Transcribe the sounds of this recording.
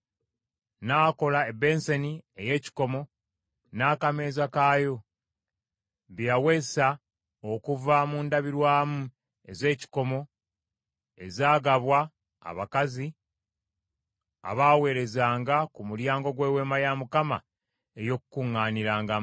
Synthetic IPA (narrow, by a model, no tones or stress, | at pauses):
naːko̞laebe̞nsenie̞je̞ːci̥ko̞mo̞ | naːkame̞ːzakaːjo̞ | βjawe̞sa | okuvamuːndaβiɾwaːmu | e̞ze̞ːci̥ko̞mo̞ | e̞zaːɡaβwa̰ː | βakazi | a̰βaːwe̞ːɾe̞zaːŋɡakumuljaːŋɡo̞ɡwe̞ːwe̞ːmajamukama̰ | ejo̞kukuŋːaːniɾaːŋɡa